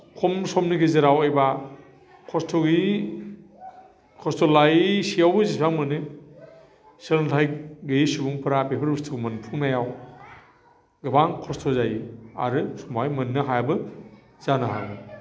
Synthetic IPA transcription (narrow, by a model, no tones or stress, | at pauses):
kʰɔmsɔmniɡizɯɾawejba | kʰɔstʰɔɡi | kʰɔstʰɔlajisijawbɯzipʰaŋmɯnɯ | sɯɾntʰajɡɯjisubuŋpʰɯɾabepʰɯɾbustʰɯɡmɯnpʰuŋnajaw | ɡɯbaŋkʰɔstʰɔzajia̰ɾɯsumajmɯnːɯɦajbɯ | z̥anaɦa̰ɯ